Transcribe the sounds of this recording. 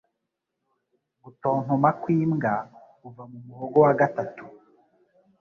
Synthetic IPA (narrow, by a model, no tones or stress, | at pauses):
ɡuto̞ːŋ̥omakwiːmɡa | uvamumuhoɡowaɡatatu̥